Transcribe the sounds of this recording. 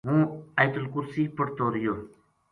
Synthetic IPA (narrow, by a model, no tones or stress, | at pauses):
ɦũːajt̪ʊlkʊɾsiːpəʈt̪oːɾijoː